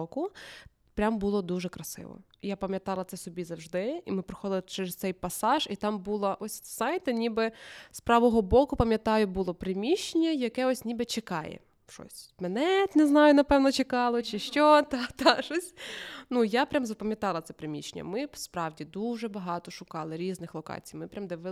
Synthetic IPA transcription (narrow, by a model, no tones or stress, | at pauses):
ɔkʊ | pɾʲambulˠɔd̪uʒɛkɾɐsɪ̰ʋɔ̰ | ijapɐmʲjɐt̪ɑlˠɐt̪sɛsɔbʲizɐwʒd̪ɪimɪpɾɪ̥xɔd̪ɪlˠɪt͡ʃɛɾɛzt̪sɛjpɐsɑʒit̪ɑmbulˠɐʔɔsʲsɑjt̪ɪnʲibɛspɾɑʋɔɦɔbɔkʊpɐmʲjɐt̪ɑjʊbulˠɔpɾemʲiʃenʲːɐjɐkɛɔsʲnʲibɛt͡ʃekɑjɛ̰ | ʃɔ̰sʲmɛnɛt̪nɛznɑjʊnɐpɛwnɔt͡ʃekɑlˠɔt͡ʃɪʃt͡ʃɔt̪ɑt̪ɑʃɔsʲnujapɾʲamzɐpɐmʲjɐt̪ɑlˠɐt̪sɛpɾɪmʲit͡ʃenʲɐ̰mɪspɾɑwdʲid̪uʒɛbɐɦɑt̪ɔʃʊkɑlˠɪɾʲiznɪxlˠɔkɑ̰t͡sʲijmɪpɾʲamd̪ɛʋɪ